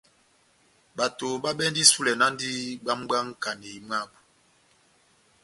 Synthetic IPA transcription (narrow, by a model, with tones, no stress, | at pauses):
ɓa˨to˨ɓa˦bɛ˦ndi˦su˦lɛ˨na˦n˦di˦ɡ͡ba˦mɡ͡ba˦ŋ˦ka˨ne˨i˨m˦a˦˨b